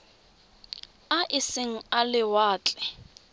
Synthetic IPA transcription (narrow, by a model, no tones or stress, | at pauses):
aʔɪsɪŋ̩alɪwaːt͡ɬʼɛ